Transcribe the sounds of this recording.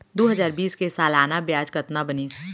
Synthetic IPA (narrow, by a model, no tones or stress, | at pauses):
d̪oːɦəzaːɾbiːskesaːlaːnabjaːd͡ʒkət̪nabəni